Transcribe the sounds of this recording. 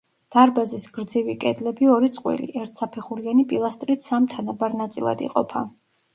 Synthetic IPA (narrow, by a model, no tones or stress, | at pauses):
d̪̥aɾbazisɡɾd̪zivikʼɛd̪lɛbiɔɾit̪sʼqʼwḭlḭʔɛɾt̪ʰsapʰɛχuɾianipʼilˠast̪ʼɾit̪ʰsamt̪ʰanabaɾnat̪sʼilˠa̰d̪ḭqʼɔ̰pʰa̰